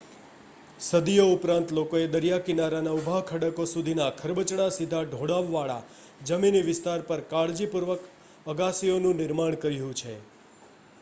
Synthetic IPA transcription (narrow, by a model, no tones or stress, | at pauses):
səd̪ijoʊpɾãnt̪lokoed̪əɾjakinaɾanaubʱakʰəɽəkosud̪ʱinakʰəɾbət͡ʃɽasid̪ʱaɖʱoɽaʋːaɭa̰ | d͡ʒəminiʋɪst̪aɾpəɾkaɽd͡ʒipuɾʋək | əɡasijonũnɪɾmaɳ̃kəɾjũt͡ʃʰḛ